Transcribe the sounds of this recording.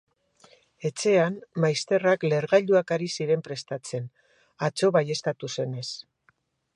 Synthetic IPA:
e̞t͡se̞anmajst̪e̞rakle̞ɾɣaʎuakaɾisiɾe̞mpɾe̞st̪at͡se̞n | at͡so̞βaje̞st̪at̪use̞ne̞s

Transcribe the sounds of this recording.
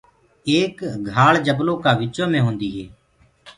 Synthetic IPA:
eːkɡʱaːɭd͡ʒəbloːkaːʋɪt͡ʃõːmẽːɦõːnd̪iːɦeː

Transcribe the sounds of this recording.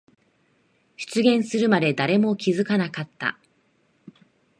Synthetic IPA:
çɨ̥t͡sɨɡʲẽ̞ɰ̃sɨɾɯ̟mad̪e̞d̪aɾe̞mo̞kʲizɨkanakat̪ːa̰

